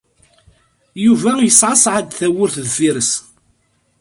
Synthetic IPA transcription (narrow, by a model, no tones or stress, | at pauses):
juvæjəsʕasʕad̪θæwʊɾθðfiɾəs